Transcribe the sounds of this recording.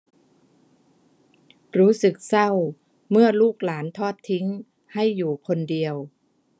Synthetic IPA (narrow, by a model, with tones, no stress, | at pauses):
ɾuː˦˥sɯ˨˩k̚sa˥˩w | mɯ˥˩ɐluː˥˩k̚laː˩˦nt̪ʰɔː˥˩t̪ʰːi˦˥ŋ | ha˥˩jːuː˨˩kʰo˧ndi˧əw